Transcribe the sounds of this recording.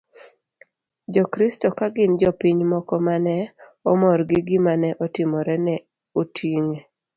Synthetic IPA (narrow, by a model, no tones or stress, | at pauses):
d͡ʒɔkɾɪstɔkaɡɪnd͡ʒɔpiɲmɔkɔmanɛɔmɔɾɡɪɡɪmanɛʔɔtɪmɔɾɛnɛ | otiŋe